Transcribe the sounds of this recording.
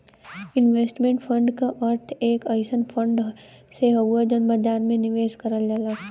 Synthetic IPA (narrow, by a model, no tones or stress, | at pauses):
ɪnʋeːsʈmẽɳʈfʰə̃ɳɖkaʔɐɾt̪ʰeːkɐɪsənfʰə̃ɳɖ | seɦɐwad͡ʒənbəd͡ʒ̪aːnmẽnɪʋeːʃkɐɾəld͡ʒalaː